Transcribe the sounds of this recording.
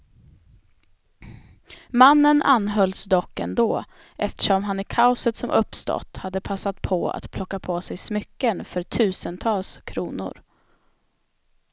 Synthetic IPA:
manːənʔa̰nːɦœlsd̪ɔkːɛ̰nd̪oː | ʔɛft̪ə̥ʂɔmɦanæɾkʰaʊsət̪sɔmʔɵpːst̪ɔ̰t̪ːhad̪ːəpʰasːat̪̚pʰɔa̰t̪pʰlɔkːapʰɔsɛjsmʏkːənfœɾʈ̪ʰʉ̟ːsənt̪ʰɑːlskʰɾuːnʊ̰ɾ

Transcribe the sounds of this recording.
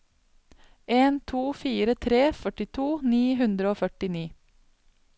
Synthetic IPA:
ʔeːnt̪ʰuːfiːɾət̪ʰɾeːfœʈɪt̪ʰuːniːɦʉnd̪ɾəoːfœʈɪniː

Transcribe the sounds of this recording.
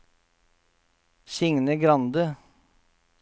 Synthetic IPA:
sɪŋnəɡɾɑnd̪ə

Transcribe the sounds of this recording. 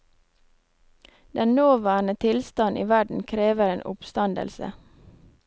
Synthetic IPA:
d̪ɛnnoːʋæːɳət̪ʰɪlst̪ɑnʔḭːʋæɖɳ̩kʰɾeːʋəɾeːnʔʊ̰pst̪ɑnd̪ə̰lsə̰

